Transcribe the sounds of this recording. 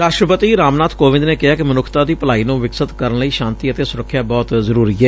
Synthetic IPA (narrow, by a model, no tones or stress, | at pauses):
ɾaːʃʈɾəpət̪iːɾaːmnaːt̪ʰkoːʋɪ̃nd̪neːkɪɦaːkɪmənʊkʰt̪aːd̪iːpəlaːiːnũːʋɪksət̪kəɾənləiːʃãːnt̪iːət̪eːsʊɾəkʰːjaːbɔːt̪zəɾuːɾiːɛː